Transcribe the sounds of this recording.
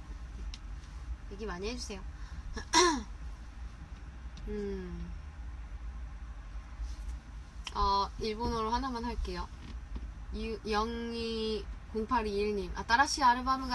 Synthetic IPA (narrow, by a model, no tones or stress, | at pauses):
eɡimaɲiɦed͡ʑusʰe̞jo | ɯ | ʌiɭbonoɾohanamanɦaɭk͈e̞jo | jjʌŋikoŋpʰaɾiːɭɲima̰t͈aɾaɕ͈ʰiaɾɯbamɯɡa